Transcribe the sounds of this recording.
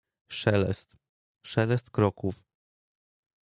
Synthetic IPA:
ʂɛlɛ̰st̪ | ʂɛlɛst̪kɾɔkuf

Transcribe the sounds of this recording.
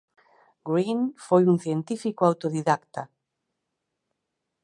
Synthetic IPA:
ɡɾinfojuŋθjent̪ifikoawt̪oðiðakt̪a

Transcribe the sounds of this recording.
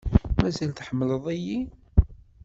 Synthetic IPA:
mæzælθħəmːələðˤiji

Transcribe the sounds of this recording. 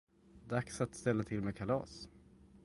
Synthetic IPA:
d̪aksat̪st̪ɛlːat̪ʰɪlmekʰalɑ̰ːs

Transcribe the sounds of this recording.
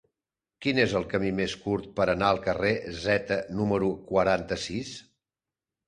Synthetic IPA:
kinezəlˠkəmimeskuɾt̪̚pəɾənaəlˠkərezɛt̪ənuməɾukwəɾant̪əsis

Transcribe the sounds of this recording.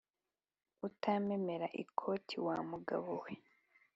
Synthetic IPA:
utʰameme̞ɾaʔḭkʰo̞ːtʰiwaːmuɡa̰βowe

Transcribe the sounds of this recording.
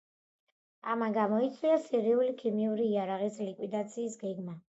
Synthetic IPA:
amaɡamɔit̪sʼwiasiɾiulikʰimiuɾiːaɾaʁislikʼwid̪at̪sʰiːsɡɛɡma

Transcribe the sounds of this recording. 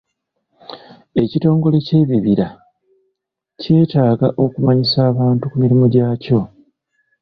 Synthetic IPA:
e̞cito̞ːŋɡo̞le̞ce̞ːβiβiɾa | ce̞ːtaːɡaʔo̞kumaɲisaːβaːntukumiɾimoɟaːco̞

